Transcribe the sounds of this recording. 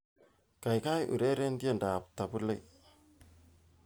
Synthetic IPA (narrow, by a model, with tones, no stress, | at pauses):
ka˨jka˦jʔṵ˨ɾe˦ɾe˦ndi˦e˦nda˨p̚ta˨pu˦la˦j